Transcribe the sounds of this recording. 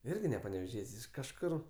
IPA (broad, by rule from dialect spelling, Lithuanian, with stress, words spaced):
ˈɪrʲɡʲɪ nʲɛ pɐnʲɛʋʲɛˈʒʲiɛtʲsʲ ɪʃ kɐʃˈkʊr